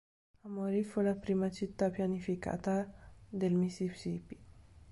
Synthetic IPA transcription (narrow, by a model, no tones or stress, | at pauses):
amoɾit̪fəɾapɾimat͡ʃit̪ːapjanifika̰t̪ad̪elmisipsipi̥